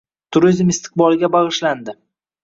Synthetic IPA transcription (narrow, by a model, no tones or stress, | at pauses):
t̪ʰʊɾizmɪst̪ʰɪ̥q̚bɒlˠɡʲabɑʁɨʃland̪ɪ